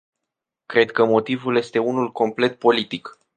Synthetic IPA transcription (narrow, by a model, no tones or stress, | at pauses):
kɾe̞d̪kəmo̞t̪ivulje̞st̪e̞unulko̞mple̞t̪̚po̞lit̪ik